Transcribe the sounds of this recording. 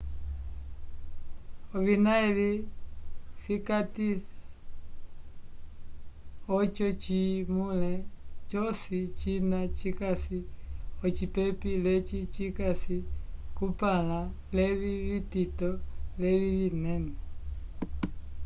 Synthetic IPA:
ɔβinaɛli | sikatisḁ | ɔt͡ʃɔt͡ʃimulɛt͡ʃɔsit͡ʃinat͡ʃikasiɔt͡ʃipɛpilɛt͡ʃit͡ʃikasikupala | lɛβiβititɔlɛβiβinɛnɛ

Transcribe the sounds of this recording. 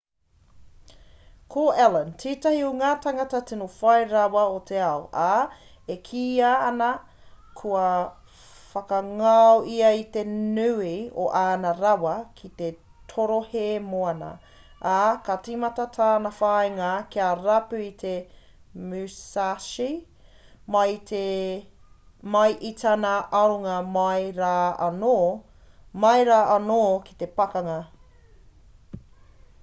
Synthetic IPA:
kʰoɛləntiːtɐhioŋaːtɐŋɐtɐtinufɐjɾɐwɐot̪ʰeɐoʔa | ekʰiːaːnɐ | kʰuɐ | fɐkɐŋaoʔiɐit̪enʉio̰ʔaːnɐɾɐwɐkʰit̪e | t̪ʰoɾohemoɐnɐ̰ | akat͡simɐtɐtʰaːnɐfajŋɐkiaɾɐpʉit̪ʰe | mʉsaʃi | mɐje | mɐjʔit̪ʰanɐʔɐɾoŋɐmɐjɾaːɐno | mɐjɾaːʔɐnoːki̥t̪e̞pɐkɐŋɐ

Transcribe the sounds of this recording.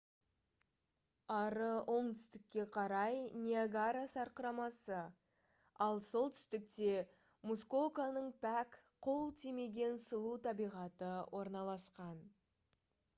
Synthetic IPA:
ɑɾəwʔo̞ɴt̪ʏ̥st̪ɪkʲːe̞qʰɑɾɑjnʲiaɡaɾasɑɾqəɾɑmɑsə | ɑlˠso̞lˠt̪ʰʏ̥st̪ɪk̚t̪e̞ | musko̞kanəɴpʰækqʰolˠt̪ʰime̞ɡʲe̞nsəlˠut̪ʰɑbijʁɑt̪əwʔo̞ɾnɑlˠɑsqɑn

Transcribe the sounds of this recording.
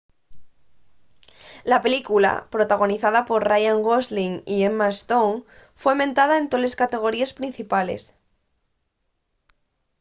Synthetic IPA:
lape̞likula̰pɾo̞t̪aɣ̞o̞niθaðapo̞ɾrajaŋɡozliŋiemːast̪oŋfwemẽ̞nt̪að̞aẽnt̪o̞le̞skat̪e̞ɣ̞o̞ɾiespɾin̟θipalḛs

